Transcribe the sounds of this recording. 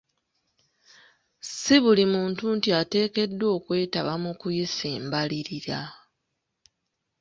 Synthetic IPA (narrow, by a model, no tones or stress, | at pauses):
siβulimuːntuntiate̞ːke̞dːo̞ːkwe̞ːtaβamukujisiːmbaliɾiɾa